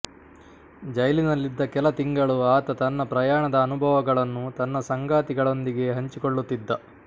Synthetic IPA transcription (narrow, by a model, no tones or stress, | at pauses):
d͡ʒɐjɐlinɐlːid̪ːɐkɛlɐt̪iŋɡɐɭuaːt̪ɐt̪ɐnːɐpɾɐjaːɳɐd̪ɐːnubʱɐʋɐɡɐɭɐnːut̪ɐnːɐsɐŋɡaːt̪iɡɐɭo̞nd̪iɡe̞ɦɐɲt͡ʃikoɭːut̪ːid̪ːɐ